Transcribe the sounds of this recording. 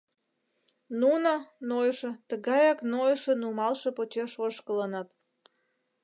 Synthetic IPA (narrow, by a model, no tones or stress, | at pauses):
nunənojʃĕt̪əɣɑjɑknojʃənumɑlʃepot͡ɕeʃoʃkələnɑt̪